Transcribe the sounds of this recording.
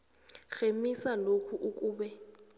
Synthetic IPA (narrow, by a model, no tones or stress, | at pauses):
xemisalokʰuʔuk̬ʼuːɓɛ